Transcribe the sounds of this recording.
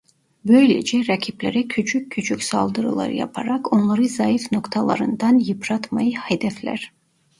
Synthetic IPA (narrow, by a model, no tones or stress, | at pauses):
bø̞jlʲḛd͡ʒɛɾacʰiplʲḛɾɛcʰyt͡ʃʰycʲʰːyt͡ʃʰycʲsa̰lˠd̪ɯɾɯ̰lˠa̰ɾɯ̰ja̰pʰaɾako̞nlˠaɾɯzajifno̞kt̪ʰalˠa̰ɾɯnd̪anjɯpʰɾat̪majɯhad̪ɛflʲæ̰ɾ̥